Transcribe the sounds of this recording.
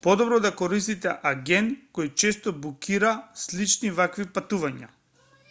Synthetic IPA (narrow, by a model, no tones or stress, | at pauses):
pɔd̪ɔbɾɔd̪akɔɾist̪it̪ɛʔaɡʲɛnkɔjt͡ʃɛst̪ɔbukiɾaslit͡ʃnivakvipat̪uvaɲa̰